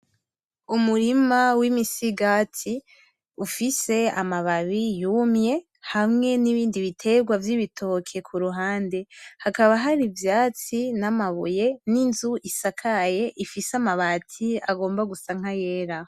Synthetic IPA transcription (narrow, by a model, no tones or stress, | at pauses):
umuɾimawimisiɡati | ufise̞a̰maβaβijumɲe̞ | hamŋe̞niβiːndiβitʰe̞ɡwavjiβitʰo̞kʰe̞kʰuɾuɦaːnde̞hakaβaɦaɾivjaːt͡sinamaβuje̞ninzuʔisakʰaje̞ʔifisamaβatʰiaɡo̞ːmbaɡusaŋ̥aje̞ːɾa